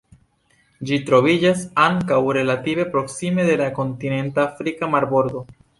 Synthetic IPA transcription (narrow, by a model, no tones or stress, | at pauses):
d͡ʒitɾo̞vid͡ʒasaŋkawɾe̞lative̞pɾo̞ksime̞d̪e̞lako̞ntine̞ntaafɾikamaɾbo̞ɾd̪o̞